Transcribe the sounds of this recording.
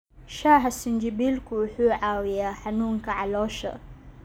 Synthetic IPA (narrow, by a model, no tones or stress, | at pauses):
ʃaɦasind͡ʒibilkuħuʕawijaħanuŋkaʕalɔʃa̰